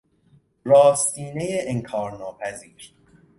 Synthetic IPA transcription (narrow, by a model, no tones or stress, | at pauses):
ɾɒːst̪iːnejeʔeŋkʰɒːɾnɒːpʰæziːɾ